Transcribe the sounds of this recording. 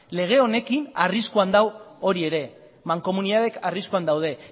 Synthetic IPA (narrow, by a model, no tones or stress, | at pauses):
le̞ɣ̞e̞o̞ne̞kinariskuand̪awo̞ɾie̞ɾe̞ | maŋko̞muniðaðe̞kʰariskuand̪awð̞e̞